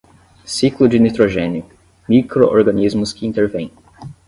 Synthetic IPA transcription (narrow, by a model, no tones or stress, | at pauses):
siklʊd͡ʒɪnit̪ɾoʒẽnɪʊ | mikɾoʔo̰ɾɡɐnizmʊskɪĩnt̪eɾvẽj̃